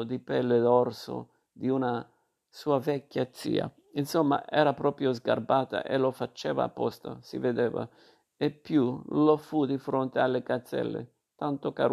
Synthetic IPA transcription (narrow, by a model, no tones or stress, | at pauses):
d̪ipɛlːed̪ɔrso̰ | d̪iuna | suːavɛkːjat̪sːḭːa̰ | insomːa̰ʔɛːɾapɾɔːpɾjozɡa̰rbaːt̪a̰ʔelofat͡ʃːɛːva̰ːpːɔst̪a̰sḭved̪ɛːva̰ | epːjulofud̪ifɾont̪ealːekat̪sːɛ̰lːḛ | t̪ant̪oka